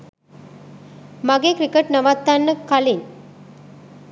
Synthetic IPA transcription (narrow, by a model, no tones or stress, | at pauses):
mɐɡekɾikeʈnɐʋat̪ːanːəkɐlin